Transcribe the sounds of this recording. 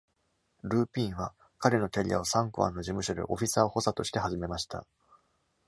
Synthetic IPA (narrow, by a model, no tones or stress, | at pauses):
ɾɯ̟ːpʲĩɰ̃βa | kaɾe̞no̞kʲaɾʲḭja̰osãŋkɯβã̰nːo̞ʑimɯ̟ɕod̪e̞̰ʔo̞ɸʲisaːho̞sat̪o̞ɕi̥t̪e̞ɦaʑime̞maɕi̥t̪a̰